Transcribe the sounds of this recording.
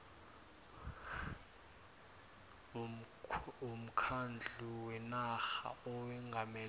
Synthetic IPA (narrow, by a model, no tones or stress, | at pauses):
um̩kʰand͡ɮʱuwɛnaxa̰ɔɛŋɡʱamɛl